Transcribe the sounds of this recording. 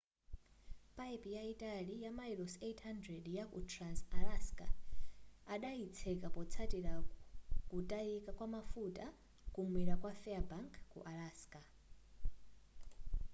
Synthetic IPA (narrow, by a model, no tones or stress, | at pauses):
pʼaipijaitʼalijamailosetʰhandɾɛdjakṵtʰransalaskʼa̰ | aɗait͡sʰɛkʼapɔt͡sʰatʼiɺakutʼaikʼakwamafutʼa | kʼumwiɺakwafɛabaŋkʰːṵʔalaːskʼa